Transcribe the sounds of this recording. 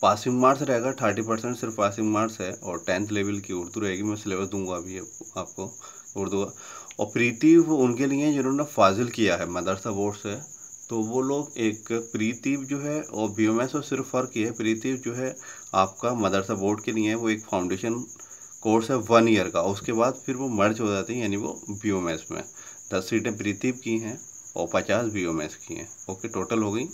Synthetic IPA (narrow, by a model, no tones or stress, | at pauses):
paːsɪ̃ŋɡmaːɾsɾɐɦeːɡat̪ʰəɾʈ̬ipɐɾsɛ̃ɳʈsɪɾfpaːsɪ̃ŋɡmaːɾsɦɛɔːɾʈɛ̃ːnt̪leːʋəlkiʊɾd̪uɾɐɦeːɡimɛ̃sɪleːʋəsd̪ũːŋɡaɐbʱiɦɛaːp̚ko | ʊːɾd̪ũːɡa | ɔ̰ːɾpɾiːt̪iːʋʊnkeliẽd͡ʒɪnɦõːnefaːzɪlkijaɦɛmɐd̪əɾsaboːʈsɛ | t̪oʋoloːɡeːkpɾiːt̪iːbd͡ʒoːɦɛɔːɾbiːoːmɛːsosɪɾfːɐɾkːiɦɛpɾiːt̪iːbd͡ʒoːɦɛ | aːp̚kamɐd̪əɾsaboːʈkelijẽɦɛ̃ʋoeːkfʰaːʊ̃ɳɖeːʃən | koːɾsɦɛʋɐnijəɾkaʊskeβaːd̪pʰɪɾʋomɐɾd͡ʒɦod͡ʒaːt̪eɦɛ̃jaːniʋo̰biːoːmɛːsmḛ̃ | d̪ɐsːiːʈẽp̬ɾiːt̪iːbkiɦɛ̃ | ɔ̰ːɾpɐt͡ʃaːsbioːmɛ̰ːskḭɦɛ̰̃ | oːkeʈoːʈəlɦoːɡəiː